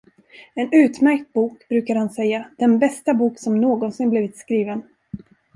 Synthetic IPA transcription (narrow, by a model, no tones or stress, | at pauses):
ɛnʉ̟ːt̪mæɾk̚t̪̚buːkbɾʉːkad̪hansɛjːad̪̥ɛnbɛst̪abuːksɔmnoːɡɔnsɪnbliːvɪt̪skɾiːvən